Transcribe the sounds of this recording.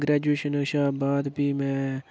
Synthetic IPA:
ɡɾɛːd͡ʒueːʃənʃaːbaːd̪biːmɛ̃ː

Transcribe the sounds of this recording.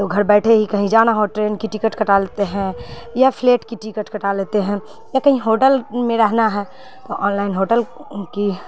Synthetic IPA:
t̪oɡʱɐɾbɛːʈʰeɦikɐɦĩd͡ʒaːnaɦoʈɾeːnkiʈɪkəʈkɐʈaleːt̪eɦɛ̃ | japʰleːʈkiʈikəʈkɐʈaleːt̪eɦɛ̃ | jakɐɦĩɦoːʈəlmẽɾɛɦnaɦɛ | t̪oʔaːnlaːɪnɦoːʈəlki

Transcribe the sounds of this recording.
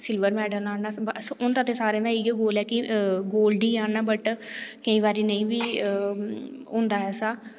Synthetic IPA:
sɪlʋəɾmɛːɖənaːnaːbsʊnd̪ãːt̪ẽːsaːɾẽːd̪aːiːɡɡoːlɛːkɪɡoːlɖiːaːnaːbəʈkəĩːʋaːɾiːnəĩːbiː | ʊ̃ːnd̪aːɦɛːsaː

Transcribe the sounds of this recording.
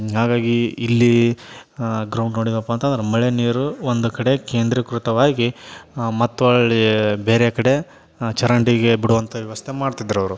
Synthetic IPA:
ɦaːɡaːɡiːlːi | ɡɾɐwɳɖno̞ːɽid̪ɐpːaːnt̪ɐnd̪ɐɾemɐɭeniːɾuond̪ukɐɽe̞ke̞ːnd̪ɾɐkɾut̪ɐʋaːɡimɐt̪ːuɐɭɐɭibeːɾekɐɽe̞ | t͡ʃɐɾɐɳɖiɡebiɽuʋɐnt̪ʰɐʋjɐʋɐst̪ʰemaːɖt̪id̪ːɐɾɐʋɐɾu

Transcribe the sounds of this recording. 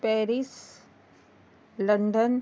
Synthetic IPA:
pɛːɾis | lə̃ɳɖən

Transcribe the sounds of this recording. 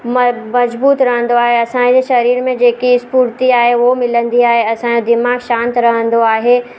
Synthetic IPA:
mmɐzbuːt̪ɾɐɦə̃n̆d̪oaːɦeɐsãd͡ʑeʃɐɾiːɾmẽd͡ʑeːkiɪspuːɾt̪iaːɦeʋomɪlə̃nd̪iaːɦeɐsãd͡ʑod̪ɪmaːɡʃãːnt̪ɾɐɦə̃nd̪oaːɦeː

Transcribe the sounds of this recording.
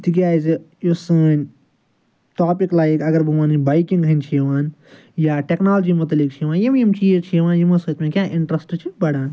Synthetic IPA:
t̪ʰik̬ʲjaːzi | josɨːnʲ | ʈaːpiklaːikɐɡɐɾbuʋaːnibajkiŋɡɦɐnʲt͡ʃʰiʋaːn | jaːʈeknaːld͡ʒiːmut̪ɐlik̚t͡ʃʰiːʋaːnjimjimt͡ʃʰiːet͡ʃʰiʋaːnjimɐsot̪mẽkjaːʔɪɳʈɾɐsʈt͡ʃʰibɐɽãːn

